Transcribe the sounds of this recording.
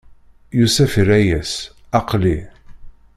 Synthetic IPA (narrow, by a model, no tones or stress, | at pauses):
jusæfəɾæjæs | ɑqli